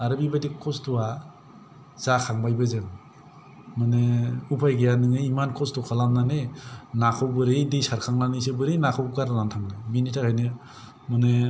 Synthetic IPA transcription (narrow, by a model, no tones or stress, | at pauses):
aɾɯbibajdikʰɔstuwa | z̥akʰaŋbajbɯzɯŋ | mɯnɯupʰajɡejanɯŋɯimankʰɔstukʰalamnanɯnakʰɔwbɯɾɯjdɯjsaɾkʰaŋnanɯsɯbɯɾɯjnakʰawɡaɾnantʰaŋnɯbinitʰakʰajnɯ | mɯnɯ